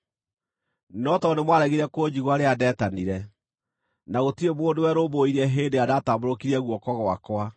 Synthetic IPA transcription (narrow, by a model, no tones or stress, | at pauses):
nɔtɔnemwaɾɛɣiɾɛkod͡ʑiɣwaɾeadɛːtaniɾɛ | naɣotiɾemwoːndowɛɾoboiɾɛɦeːndeadataboɾokiɾiɛɣwɔkɔɣɔakwa